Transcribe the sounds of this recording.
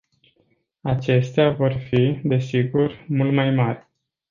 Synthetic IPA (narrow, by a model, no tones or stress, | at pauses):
at͡ʃe̞st̪eavo̞rfid̪e̞siɡurmult̪majmarʲ